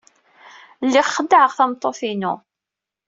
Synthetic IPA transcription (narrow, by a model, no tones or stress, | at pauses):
lːiʁχəd̪ːəʕəʁθæmt̪ˤːoθinṵ